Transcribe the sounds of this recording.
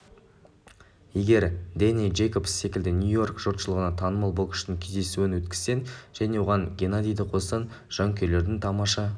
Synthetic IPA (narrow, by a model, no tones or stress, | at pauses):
je̞ɡʲe̞ɾd̪enijʒe̞jko̞psːe̞kʲɪld̪ɪnʲjujo̞rkʒ̥ot̪ʃəlˠəʁənɑt̪ʰɑnəmɑlˠbolˠkʰɪ̥ʃt̪ɪŋkʲʰe̞zd̪e̞suɪnwɵt̪kʲɪ̥zse̞nʒ̥æne̞wo̞ʁɑŋɡʲe̞nad̪ijd̪ɪqʰo̞sɑn | ʒ̥ɑŋkʲʰe̞le̞ɾd̪ɪŋt̪ʰɑmɑʃɑ